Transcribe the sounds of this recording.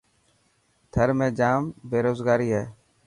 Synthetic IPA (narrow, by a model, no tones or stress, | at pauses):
t̪ʰəɾmẽːd͡ʒaːmbeːɾoːzɡaːɾiːɦɛː